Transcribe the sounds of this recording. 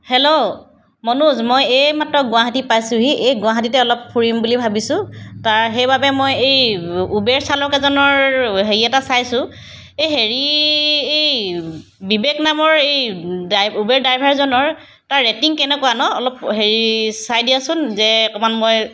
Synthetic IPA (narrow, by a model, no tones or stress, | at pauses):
helo | mɔnuzmɔjejmatɹɔɡʊ̃aɦatipajsʊ̃ɦiʔejɡʊaɦat̬itɛɔlɔp̚pʰuɹimbulibʱabisʊ̃taɹɦejbabɛmojejubɛɹsalɔkɛzɔnɔɹɦeɹiɛtasajsʊ̃ | ejɦeɹiej | bibeknamɔɹejdubɛɹdajbʱaɹzɔnɔɹ | taɹːetiŋkɛnɛkɔwanɔːlɔpɦeɹisajdiasʊnzɛkɔmanmoj